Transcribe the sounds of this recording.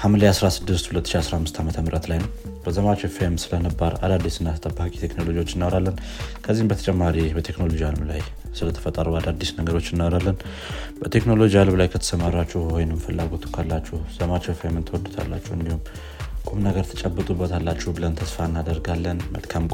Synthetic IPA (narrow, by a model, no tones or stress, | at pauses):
hamlejasɾasɨd̪ːɨst̪hulət̪ːɨʃiasɾahamːɨst̪ʰamət̪ʰəmɨɾʔət̪lajnəwbəzəmat͡ʃefemsɨlənɨbːaɾa̰d̪ad̪ːisɨnːat̪ʰt̪ʼəbːakʼi̥t̪ʰeknolo̞d͡ʒiwo̞t͡ʃːɪnːawɾalːən | kʰəzːihmbət̪ʰə̥t͡ʃʼɛmːaɾibət̪ʰe̞kno̞lo̞d͡ʒialmlaj | sɨlət̪ʰə̥fət̪ʼːəɾuad̪ad̪ːisnəɡəɾo̞t͡ʃːɨnːawɾalːən | bət̪ʰe̞kno̞lo̞d͡ʒialmlajkʰət̪ʰə̥səmaɾat͡ʃːɛhwɔjnɨmfəlːaɡo̞t̪ʰu̥kʰalːat͡ʃːɛhz̥əmat͡ʃefemɨnt̪ʰəwɔd̪ut̪ʰa̰lːat͡ʃːɛhɨnd̪ihum | kʼomnəɡəɾt̪ʰət͡ʃʼəbːət̪ʼubːət̪ʰalːat͡ʃːɛhbɨlənt̪ʰəsfanːad̪əɾɡalːənmə̰lkʰamkʼ